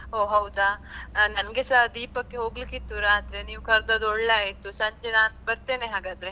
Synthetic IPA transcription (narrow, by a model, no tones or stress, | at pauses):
oːɦɐwd̪aːnɐnɡesad̪iːpɐkːeɦoːɡlikit̪ːuɾaːt̪ɾeniːʋkɐɾd̪ɐd̪ɔɽlaːɦet̪ːusɐɲd͡ʒenaːnbɐɾt̪eːneɦaːɡaːd̪ɾe